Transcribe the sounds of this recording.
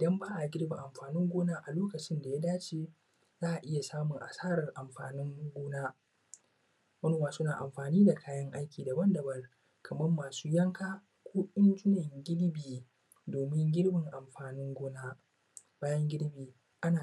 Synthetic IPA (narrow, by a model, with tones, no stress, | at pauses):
ʔɪ˨dɐ˦mbaː˦ʔa˨ɡʲɪ˦ɽbɪ˨ŋʔa˨mɸaː˨nɪ˦ŋɡʷoː˦naː˦ʔa˨loː˦kɐ˨t͡ʃɪ˦nda˨ja˦daː˦t͡ʃeː˦ | zaː˦ʔa˨ʔɪ˦ja˨saː˦mʊ˨ŋʔa̰˨saː˦ɾɐ˨rʔa˨mɸa̰ː˨nɪ˦ŋɡʷoː˦naː˦ | mɐ˦nʊ˨waː˨sʊ˦naː˨ʔa˨mɸaː˨niː˦da˨kʰaː˦jɐ˦ŋʔa˦jkʲiː˨da˨bɐ˦ndɐ˨bɐ˦r | kʰɐ˨mɐ˦mːaː˨suː˦jɐ˦ŋkaː˦ | kʷoː˦ʔɪ˦nt͡ʃʼʊ˦nɐ˨ŋɡʲɪ˦ɽbiː˨ | doː˨mɪ˦ŋɡʲɪ˦ɽbɪ˨ŋʔa˨mɸaː˨nɪ˦ŋɡʷʊː˦naː˦ | b̥aː˦jɐ˦ŋɡʲɪ˦ɽbiː˨ | ʔa˦naː˨